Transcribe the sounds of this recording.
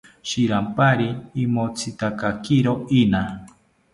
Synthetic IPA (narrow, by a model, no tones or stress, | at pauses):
ʃiɾampaɾiːmot͡sʰɨt̪akakiɾoina